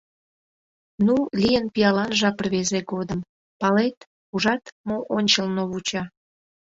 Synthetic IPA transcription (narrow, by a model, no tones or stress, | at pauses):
nulʲijənpijɑlɑnʒɑpərβezeɡod̪əm | pɑlet̪ | uʒɑt̪moʔonʲt͡ɕəlnoβut͡ɕɑ